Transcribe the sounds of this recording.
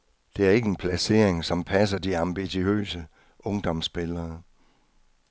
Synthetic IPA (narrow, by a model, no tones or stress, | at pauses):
d̥e̝æɐe̝ɡ̥əe̝npʰlæse̝̰ɐ̰eŋsɒ̽mpʰæs̬ɐd̥iɑ̈mb̥iɕiø̰ːsə | ʔɔ̽ŋd̥ɒ̽msb̥elɐː